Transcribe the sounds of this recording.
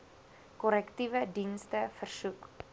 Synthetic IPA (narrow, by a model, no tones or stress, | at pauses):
kɔɾɛktivədinstəfərsuk